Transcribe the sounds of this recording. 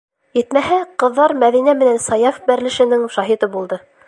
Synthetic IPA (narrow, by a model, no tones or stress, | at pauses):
jɘ̆t̪mæɦæqɤ̆ðːɑɾmæðinæmɘ̆nænsɑjɑfbæɾlɘ̆ʃɘ̆nɘŋʃɑɦit̪ɤbulˠd̪ɤ